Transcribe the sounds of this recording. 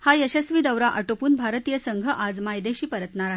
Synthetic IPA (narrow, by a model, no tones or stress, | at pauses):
hajəɕəsʋiːd̪əwɾaʔəʈopuːnbʱaɾt̪ijəsəŋɡʱəʔad͡zmajd̪eɕiːpəɾət̪naɾaɦ